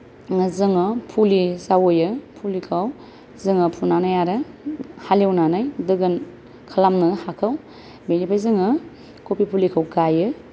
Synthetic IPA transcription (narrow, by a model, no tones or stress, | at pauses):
ŋɯzɯŋɯpʰulizawojɯpʰulikʰaw | zɯŋɯpʰunanajaɾɯhaliwnanajdɯɡɯn | kʰalamnɯhakʰaw | benipʰajzɯŋɯ | kʰopipʰulikʰawkajɯ